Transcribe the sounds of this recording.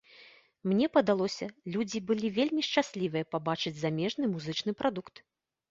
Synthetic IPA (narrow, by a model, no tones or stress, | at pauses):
mnʲɛpɐd̪alˠɔsʲɐlʲud͡zʲibɨlʲivʲelʲmʲiʂt͡ʂasʲlʲivɨjɐpabat͡ʂɨd͡zʲzamʲɛʐnɨmuzɨt͡ʂnɨpɾʔad̪ukt̪